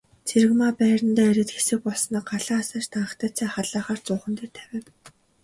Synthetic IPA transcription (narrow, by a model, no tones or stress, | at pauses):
t͡sʰeɾɘ̆kmapæːɾə̆nt̪æːɾʲɪ̆t̪xesɘ̆k̚pɔɮsɞ̆năɢaɮaːsaːt͡ɕt̪aɴə̆χt̪ʰæːt͡sʰæːχaɮaːχaːr̥t͡sʊːχə̆nt̪ĕːt̪ʰæwʲɪ̆ːw